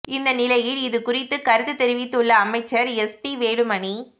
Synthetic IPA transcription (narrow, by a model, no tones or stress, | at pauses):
ɪnd̪ɐnɪlɐjɪɭɪðɯkʊrɪt̪ːɯkɐɾɯðɯt̪ːɛɾɯʋɪt̪ːɯɭːɐːmɐɪt͡ʃːɐɾɛspiʋeːɽɯmɐɳi